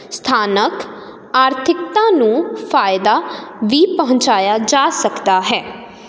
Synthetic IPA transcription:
st̪ʰaːnək | aːɾt̪ʰɪkt̪ãːnũːfʰaːɪd̪aːʋiːpəɦʊ̃ɲt͡ʃaːjaːd͡ʒaːsəkd̪aːɦɛː

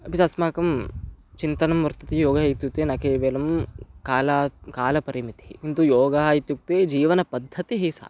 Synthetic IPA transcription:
ɐpit̪ɐsmaːkɐmt͡ʃint̪ɐnɐmʋɐɾt̪ɐt̪ijoːɡɐɦɐit̪juk̚t̪eːnɐkeːʋeːlɐmkaːlɐkaːlɐpɐɾimit̪iɦikint̪ujoːɡɐɦɐit̪juk̚t̪eːd͡ʒiːʋɐnɐpɐd̪ʱːɐt̪iɦisa̰ː

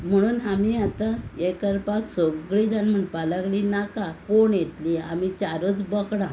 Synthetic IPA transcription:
m̤əɽ̃uːnamiat̪aekəɾpaksoɡɭiːd͡zanm̤əɳpaləklinakakoɳjet̪liamit͡ɕaɾət͡sbəkɽã

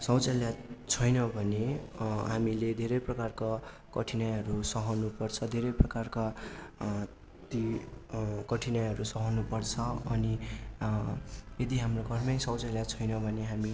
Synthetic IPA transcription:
sʌwt͡saljat͡sʰʌjnʌbʱʌneɦamiled̪ʱeɾʌjprʌkarka | kʌʈʰinajɦʌɾusʌɦʌnupʌrt͡sʰʌd̪ʱeɾʌjprʌkarka | t̪i | kʌʈʰinajɦʌɾusʌɦʌnupʌrt͡sʰʌʌni | jed̪iɦamroɡʱʌrmʌjsʌwt͡saljat͡sʰʌjnʌbʱʌneɦami

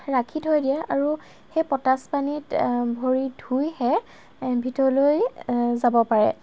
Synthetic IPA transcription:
ɹakʰitɦojdijaʔaɹu | xepɔtaspanitbʱoɹidʱujhɛ | bʱitɔɹɔlojzabɔpaɹɛ̰

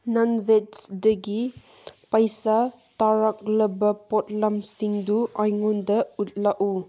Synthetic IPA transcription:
nanvetsdɐɡi | pajsa | taɾak̚ləbapɔt̚lamsiŋduajŋundɐut̚laʔu

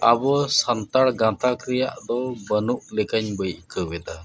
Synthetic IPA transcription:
abɔsant̪aɽɡãt̪akɾijaʔd̪ɔbənuʔlɛkaɲbəjʔkəbɛd̪a

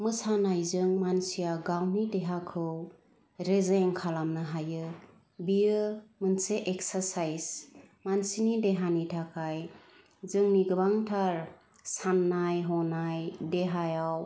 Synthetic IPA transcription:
mɯsanajzɯŋmansijaɡawnideɦakʰɯw | ɾezeŋkʰalamnɯɦajɯ | bijɯmɯnseʔeksaɾsajzmansinideɦanitʰakʰaj | zɯŋniɡɯbaŋtʰaɾ | sanːajɦɔnajdeɦajaw

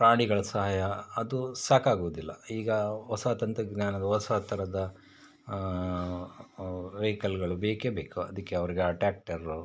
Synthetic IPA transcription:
pɾaːɳiɡɐɭɐsɐɦaːjɐɐd̪usaːkaːɡuʋud̪ilːɐiːɡɐɔsaːt̪ɐnt̪ɐɡnaːnɐd̪ɐɔsaːt̪ɐɾɐd̪ɐ | ʋekɐlɡɐɭubeːkebeːkuɐ̰d̪ikːeɐʋɐɾiɡeɐʈaːk̚ʈɐɾu

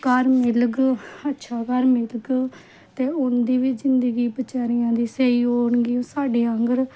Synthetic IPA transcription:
kəɾmɪlɡətːʃʰaːkəɾmɪlɡ | t̪eːʊnd̪iːʋit͡ʃzɪnd̪əɡiːbət͡ʃaːɾɪjãːd̪iːseiːɦoːɳɡiːõːsaːɖeːəŋɡəɾ

